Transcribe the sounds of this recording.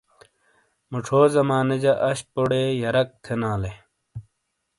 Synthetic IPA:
muʈ͡ʂʰoːzɐmaːnɐd͡ʑɐʔɐɕpoɽeːjɐɾɐk̚t̪ʰenaːle

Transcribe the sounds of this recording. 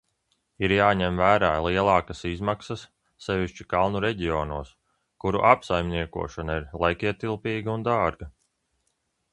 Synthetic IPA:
iɾjaːɲɛmvæːɾaːlˠiɛlˠɑːkasizmaksɐsː | ɛvʲiʃt͡ʃikalˠnuɾɛɟiɔːnuɔs | kuɾṵʔapsajmʲniɛkṵɔʃanaiɾlˠɛjkiɛt̪ilˠpiːɡaund̪aːɾɡɐ

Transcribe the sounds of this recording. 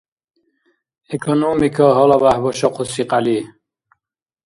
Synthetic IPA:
ekʰɔnumikʰɔɦɔlɔbahbɔʃɔqusiqali

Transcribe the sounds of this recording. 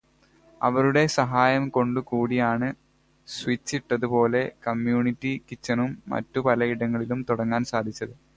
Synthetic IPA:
ɐ̰ʋɐɾuɽe̞sɐɦaːjɐmko̞ɳɖukuːɽijaːɳɨ | swit͡ɕːiʈːɐðupo̞ːle̞kɐmjuːɳitːikit͡ɕːɐnumːɐ̰tːupɐlɐiɽɐŋːɐɭilumt̪uɽɐŋːaːnsaːd̪ʱit͡ɕːɐðɨ

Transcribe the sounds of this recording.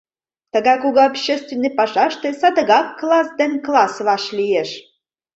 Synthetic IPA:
t̪ə̆ɡɑjkuɡɤapɕːest̪vʲenːɨjpɑʒɑʃt̪ĕsɑd̪əɣɑkːlˠɑsd̪enklˠɑsβɑʃlʲijeʃ

